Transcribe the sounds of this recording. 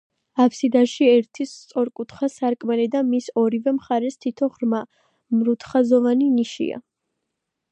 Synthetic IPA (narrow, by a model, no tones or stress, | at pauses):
apʰsid̪aʃiɛɾt̪ʰist̪sʼɔɾkʼut̪ʰχasaɾkʼmɛlɛd̪amisɔɾivɛmχaɾɛst̪ʰit̪ʰɔʁɾma | mɾut̪ʰχazɔvaniniʃḭa̰